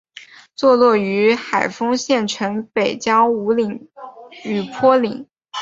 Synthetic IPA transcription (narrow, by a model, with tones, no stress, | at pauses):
t͡swɔ˥˧lwɔ˥˩y˧˥xa˨˩ɪfɤ˥ŋɕjɛ˥˩nʈ͡ʂʰɤ˧˥ŋpe˨˩ɪt͡ɕjɑ˥ʊu˧˥li˨˩˦ŋ | y˨˩pʰwɔ˥li˨˩˦ŋ